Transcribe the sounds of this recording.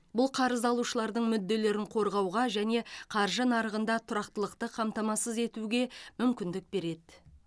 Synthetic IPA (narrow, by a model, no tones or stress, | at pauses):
bʊlˠqʰɑɾəzɑlˠuʃəlˠɑɾd̪əɴmʏd̪ːe̞le̞ɾɪɴqʰo̞ɾʁɑwʁɑʒæne̞qʰɑɾʒənɑɾəʁənd̪ɑt̪ʰʊɾɑqt̪əlˠəqt̪əqʰɑmt̪ɑmɑsəze̞t̪uɡʲe̞mʏmkʲɪnd̪ɪk̚be̞ɾe̞d̪ɪ